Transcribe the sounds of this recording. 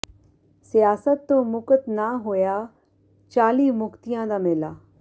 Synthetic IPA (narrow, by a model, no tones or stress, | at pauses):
sijaːsət̪ːõmʊkət̪naɦojaː | t͡ɕaːliːmʊkt̪ijãd̪aːmeːlaː